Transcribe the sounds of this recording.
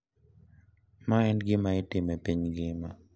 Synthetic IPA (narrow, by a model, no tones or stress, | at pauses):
maɛnɡɪmaɪtɪmɛpiɲɡɪma